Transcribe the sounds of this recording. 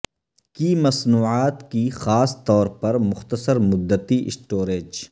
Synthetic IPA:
kiːmɐsnuːaːt̪kixaːst̪ɔːɾpɐɾmʊxt̪əsəɾmʊd̪ːət̪iʔɪsʈoːɾeːd͡ʒ

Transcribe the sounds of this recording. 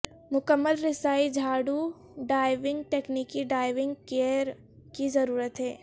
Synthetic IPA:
mʊkəmːəlɾɪsaːid͡ʒʱaːɽu | ɖaːɪʋɪ̃ŋɡ̚ʈeːkniːkiɖaːɪʋɪ̃ŋɡkeːɾ | kizɐɾuːɾət̪ɦɛː

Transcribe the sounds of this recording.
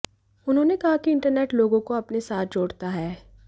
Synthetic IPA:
ʊnɦõːnekɐɦakiɪ̃ɳʈəɾneːʈloːɡõkoɐpnesaːt̪̚ʰd͡ʒoːɽt̪aɦɛː

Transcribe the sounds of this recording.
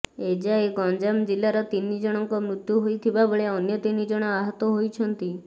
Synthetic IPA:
ed͡ʒaeɡɔnd͡ʒamd͡ʒilːaɾɔt̪inid͡ʒɔɽ̃ɔŋkɔmɾut̪juɦojt̪ʰibabɔɭeɔnjɔt̪inid͡ʒɔɽ̃ɔaɦɔt̪ɔɦojt͡ʃʰɔnt̪i

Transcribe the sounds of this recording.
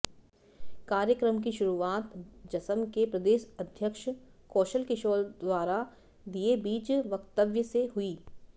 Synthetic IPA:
kaːɾjəkɾəmkiʃʊɾuaːt̪d͡ʒɐsəmkepɾɐd̪eːʃɐd̪ʱjəkʃkɔːʃəlkɪʃoːld̪waːɾa | d̪iebiːd͡ʒʋɐkt̪əʋjəseɦʊiː

